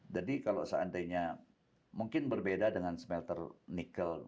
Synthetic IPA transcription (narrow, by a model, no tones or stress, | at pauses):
d͡ʒadikalo̰səa̰ndajɲa | muŋkɪnbərbedadəŋansmɛlt̪ərnikəl